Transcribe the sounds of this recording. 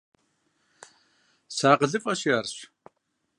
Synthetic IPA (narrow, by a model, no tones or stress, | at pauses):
saːqəɮɨfʼɐɕjarɕ